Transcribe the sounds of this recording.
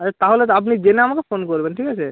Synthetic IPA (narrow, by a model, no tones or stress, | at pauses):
aat̪aɦolet̪̬ɔap̬nid͡ʑeneamakefonkoɾbenʈʰikat͡ɕʰe